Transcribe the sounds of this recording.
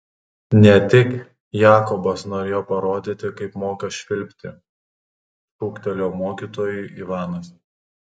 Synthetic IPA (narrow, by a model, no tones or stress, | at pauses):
nʲɛt̪ʲɪk | jɑːkɔbɐsnoːɾʲeːjoːpɐɾoːd̪ʲɪt̪ʲɪkɐɪpmoːkɐʃʲʋʲɪlʲpʲt̪ʲɪ | ʃuːkt̪ʲɛlʲoːmoːkʲit̪oːjuːʔiːʋɑːnɐs